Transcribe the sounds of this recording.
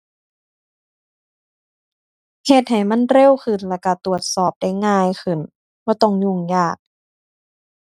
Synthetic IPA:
he˧t̪̚ɦa˨˩jma˧˥˨nɾe˧˥˨wkʰɯ˧˩˨nlɛː˧˩ka˧˩t̪u˨˩ət̪̚sɔː˧˨˩p̚da˧˥˩jŋaː˧˩˨jkʰɯ˨˩n | b̥ɔː˧˦t̪ɔ˧˩˨ŋɲu˧˩ŋjaː˧˩k̚

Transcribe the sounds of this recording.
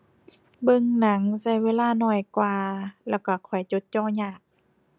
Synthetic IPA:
bɤ˧ŋna˨˦ŋsa˧˩jweː˧˥˨laː˧˨nɔː˧˩jkwaː˧lɛː˧˩wka˧˩kʰɔ˨˩jt͡ɕo˧˦t̪̚t͡ɕɔː˧˨ɲaː˧˩k̚

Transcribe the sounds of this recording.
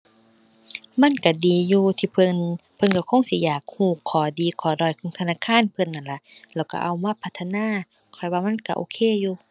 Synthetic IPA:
ma˧˥˨nka˧˩diː˨juː˧t̪ʰiː˧pʰɤ˧˨npʰɤ˧˥˨nka˧˩kʰo˧˥˨ŋsi˧˦jaː˨˩k̚huː˧˩kʰːɔː˨˦diː˨kʰɔː˨˦dɔː˧˩˨jkʰɔː˧˦ŋt̪ʰa˧naː˧˥˨kʰaː˧˥˨npʰɤ˧˥˨nːa˧˨nla˧lɛː˧˩˨wka̰˧˩ʔa˧˩wmaː˧˥˨pʰa˧t̪ʰːa˧naː˧˥˨ | kʰɔ˨˩jwaː˧˨ma˧˥˨nka˧ʔoː˧˨kʰeː˧˥˨juː˧

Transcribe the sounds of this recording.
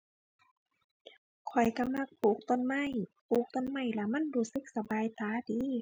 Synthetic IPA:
kʰɔ˨˩jka˧˩ma˧˥˨k̚puː˨˩k̚t̪o˧˥˨nma˧˥˨jpuː˨˩k̚t̪o˧˥˨nma˧˩˨jla˧˩ma˧˥˨nɾuː˧˩sɯ˧˦k̚sa˧baː˨jt̪ʰaː˨˧˦diː˨˦

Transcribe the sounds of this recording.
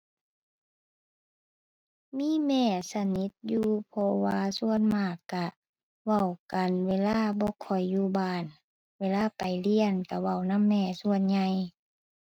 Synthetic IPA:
miː˧˥˨mɛː˧˩sa˧ni˧˦t̪̚juː˧pʰɔ˧waː˧su˧˨ənmaː˧˩kːa˧˩ | wa˧˩wka˨nweː˧˨laː˧˥˨bɔː˧˦kʰɔ˨˩jːuː˧˩baː˧˩n | weː˧˨laː˧˥˨pa˨˩jli˧˨ənka˧˩wa˧˩˨wna˧˥˨mːɛː˧˩su˧ənɲa˧j

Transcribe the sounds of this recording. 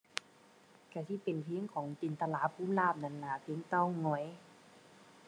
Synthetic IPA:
ka˧˩si˧˨pe˨˩npʰi˧˦əŋkʰɔː˨˩˦ŋt̪i˨nt̪a˧laː˨˧˦pʰuː˧˥˨mlaː˧˩p̚na˧˥˨nla˧˩pʰi˧˥əŋt̪ɔ˧˥˩ŋɔ˧˩˨j

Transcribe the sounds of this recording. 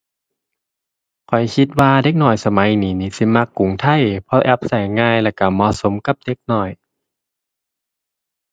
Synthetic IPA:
kʰɔ˨˩jkʰi˧˦t̪̚waː˧de˧˥k̚nɔː˧˨˩jsa˧ma˨˧˦jniː˨˦niː˧˦si˧˦ma˧kːu˨˩˦ŋt̪ʰa˧˩˨jpʰɔ˧˥ʔɛ˧p̚sa˨˩jŋaː˧˨jlɛː˧˩ka˧˩mɔː˧˨so˨˦mka˧˦p̚de˧˥k̚nɔː˧˩j

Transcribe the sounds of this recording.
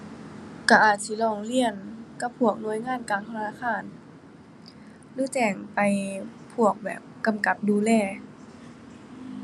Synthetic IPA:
ka˧˩ʔaː˨˩t̪̚si˧˩lɔː˧˩ŋli˧˩˨ənka˧˦p̚ʰːu˧˩ək̚nu˧˦ə˦jŋaː˧˥˨nkaː˨˩ŋt̪ʰa˧a˧naː˧˩xʰaː˧˩˨n | lɯː˧˥˦t͡ɕɛː˧˩ŋpa˨˧jpʰu˧˩ək̚bɛ̰ː˨˩p̚ka˧mka˧˩p̚duː˧lɛː˧˩

